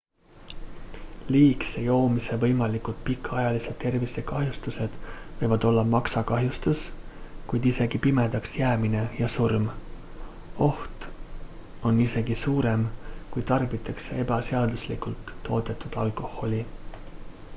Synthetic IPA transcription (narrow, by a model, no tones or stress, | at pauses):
liːksejo̞ːmise̞vɤ̞jmɑlikult̪̚pikʰːˑɑjɑlise̞d̪̥̚t̪ːe̞rvisekɑɦjust̪use̞d̪̥vɤjvɑd̪̥o̞lːɑmɑksɑkɑɦjust̪uskujd̪̥ise̞ɡ̥ipime̞d̪̥ɑksjæːmine̞jɑsurm | o̞ht̪ | o̞nːise̞ɡ̥isuːɾe̞mkujt̪ɑrb̥it̪ˑɑksee̞bɑseɑd̪uslikult̪ːo̞ːt̪e̞t̪ːˑud̪̥ɑlkˑo̞ho̞lʲi